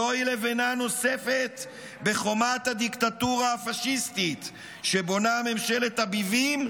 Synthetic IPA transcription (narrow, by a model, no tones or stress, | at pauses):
oilevenano̞se̞fet̪ | be̞χo̞mat̪ad̪ikt̪at̪uʁaːfaʃist̪it̪ | ʃe̞bo̞name̞mʃe̞let̪abivim